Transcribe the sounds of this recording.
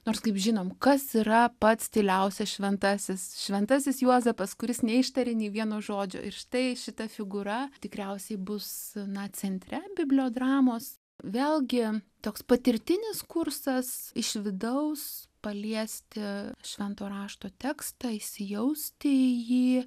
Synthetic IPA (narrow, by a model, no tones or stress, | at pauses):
noːrskɐɪpʒʲɪnoːmkɐsiɾɐpɐt̪st̪ʲɪlʲɛʊsʲɛʃʲʋʲɛnt̪ɑːsʲɪsʃʲʋʲɛnt̪ɑsʲɪsjuɔzɛpɐskʊɾʲɪsnʲɛɪʃt̪ɐɾʲɪnʲiːʋʲiɛnoːʒoːd͡ʒʲo̰ːʔɪrʃɪ̥t̪ɐɪʃʲɪt̪ɐfʲɪɡʊɾɐt̪ʲɪkɾʲɛʊsʲɛɪbʊsnɐt͡sʲɛnʲt̪ʲɾʲɛbʲɪbʲlʲoːd̪rɑːmoːs | ʋʲeːlˠɡʲɪt̪oːkspɐt̪ʲɪɾʲt̪ʲɪnʲɪskʊrsɐsɪʃʲʋʲɪd̪ɐʊs | pɐlʲiɛsʲt̪ʲɪʃʲʋʲɛnt̪oːɾɑːʃt̪oːt̪ʲɛːkst̪ɐɪʃʲsʲɪjɛʊsʲt̪ʲɪjiː